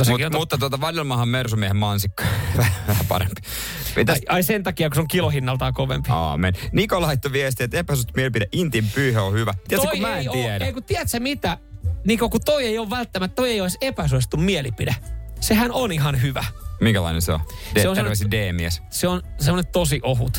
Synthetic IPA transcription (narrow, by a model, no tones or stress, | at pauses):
t̪oskːimut̪ːɑt̪uot̪ɑʋɑljolmɑhɑmmersumiehemmɑnsikːɑ̥ʋæhʋæhæpɑ̰ɾḛmpi̥ | ḭt̪æɑisent̪ɑkiɑkuseoŋkilohinːɑlt̪ɑːkoʋḛmpi̥ɑ̰ːmennikolɑit̪ːoʋiest̪iet̪ːepæsyst̪umielipideʔint̪impyːhøohyʋæt̪iæt̪ːsokumæeniiæneikut̪iɛt̪sæmit̪æniːkokut̪oieijoːʋʋælt̪ːæmæt̪t̪oieioisepæsuest̪ummielipidesehænoniɦɑnhyʋæ̰miŋkælɑ̰inḛnseo̰seeoosmesideːmiɛsseonsemonet̪t̪osiʔohut̪